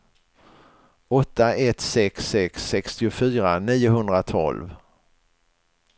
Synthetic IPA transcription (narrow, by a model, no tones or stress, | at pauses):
ɔt̪ːaɛt̪sɛksːɛksːɛkst̪ɪʊfyːɾaniːʊhɵnd̪ɾat̪ʰɔ̰lv